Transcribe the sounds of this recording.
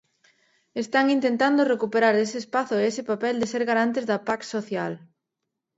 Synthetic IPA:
est̪aŋint̪ent̪and̪orekupeɾaɾesɪːspaθʊeesɪpapɛld̪eseɾɣaɾant̪ezðɐpaksoθjal

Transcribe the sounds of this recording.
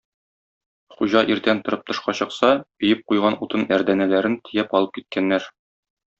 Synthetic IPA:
χuʑɑʔiɾt̪ænt̪ŏɾɤp̚t̪ŏʃqɑɕɤ̆qsɑɵ̆jɘp̚qujʁɑnut̪ɤnæɾd̪ænælæɾɘnt̪ʰɘ̆jæpɒlˠɤp̚kit̪̚kʰænːæɾ

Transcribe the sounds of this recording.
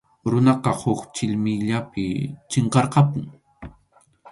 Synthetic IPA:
ɾʊnɑqɑhʊkt͡ʃɪʎmɪjʎapɪ̰t͡ʃeɴqɑɾqɑpʊŋ

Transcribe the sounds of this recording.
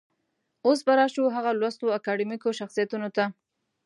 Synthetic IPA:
os̬baɾɑʃuɦaɣalwast̪oakɑɖimikoʃaxsijat̪unot̪a

